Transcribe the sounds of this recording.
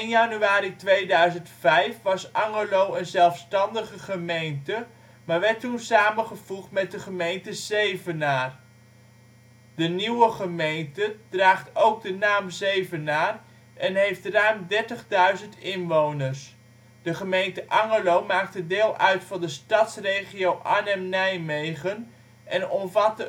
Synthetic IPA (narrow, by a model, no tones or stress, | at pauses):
ɪnjɑnyaːɾitʋejdœɥzəntfɛjfʋɑsɑŋəlowənzɛlˠfstɑndəχəχəmejntə | maːɹʋɛɹtunsaːmənχəvuχtmɛt̚dəχəmejntəz̥ejvənaːr | dəniwəχəmejntəd̥raːχtowɡ̚dənaːmzejvənaːr | ɛnɦejftraɥmdɛɹtəχdœɥzəntɪnʋownəɹs | d̥əχəmejntəʔɑŋəlowmaːk̚tədeːlˠʔœɥtfɑndəstɑtsrejχiowʔanɛmnɛjmejχən | ʔɛnɔmvɑtə